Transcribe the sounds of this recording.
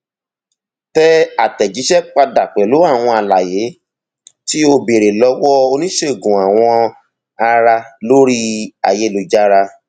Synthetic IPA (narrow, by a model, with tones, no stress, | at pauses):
tɛ˦a˨tɛ˨d͡ʒi˨˦ʃɛ˦k͡pa˧da˨k͡pɛ˨lo˨˦a˦˨w̃ɔ̃˧a˨la˨je˨˦ | ti˦o˧be˨ɾe˨lɔ˧wɔ˦o˧nĩ˦ʃe˦˨ɡũ˨a˨w̃ɔ̃˧ | a˧ɾa˧lo˦ɾi˦a˨je˨˦lo˧d͡ʒa˦ɾa˧